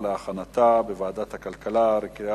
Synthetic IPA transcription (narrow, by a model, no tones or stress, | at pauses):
leaχanat̪abevaːd̪at̪hakalkalaɾeka